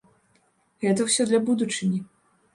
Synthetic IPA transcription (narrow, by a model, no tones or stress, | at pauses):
ɣɛt̪ɐwsʲɔd̪lʲɐbud̪ut͡ʂɨnʲi